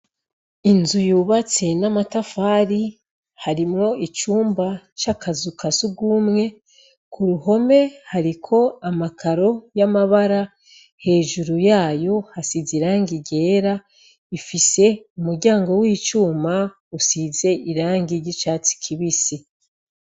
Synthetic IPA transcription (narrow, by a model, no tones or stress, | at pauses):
inzujuːβat͡se̞namatafaːɾi | haɾimŋo̞it͡ʃuːmbat͡ʃakazukasuɡumŋe̞ | kʰuɾuho̞me̞haɾikʰo̞amakʰaɾo̞jamaβaɾa | he̞ːʒuɾujaːjo̞hasiziɾaːŋɡiɟe̞ːɾa | ifise̞umuɾɟaːŋɡo̞wiːt͡ʃuːma | usize̞ʔiɾaːŋɡiɟit͡ʃaːt͡si̥kʰiβisi